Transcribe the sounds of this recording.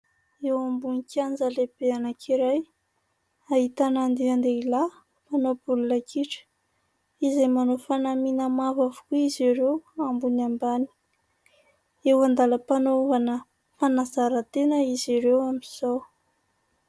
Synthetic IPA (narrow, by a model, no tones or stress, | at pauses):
ewambunikʲand͡zaleb̥eanəkʰiɾaj | aɦit̪anand̪eand̪eila | manob̥ulunəkʰiʈ͡ʂə̥ | izemanofanaminəmavavukuiziɾewambunambani̥ | ewand̪aləpanouvanə | fanazaɾət̪enəiziɾewamiz̥ow